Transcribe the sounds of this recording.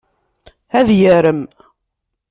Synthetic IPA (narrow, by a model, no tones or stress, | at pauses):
æðjəɾəm